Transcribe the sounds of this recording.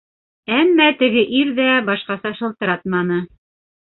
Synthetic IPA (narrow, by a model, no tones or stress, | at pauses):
æmːæt̪ɘ̆ɡɘʔiɾðæbɑʃqɑsɑʃɤ̆lˠt̪ɤ̆ɾɑt̪mɑnɤ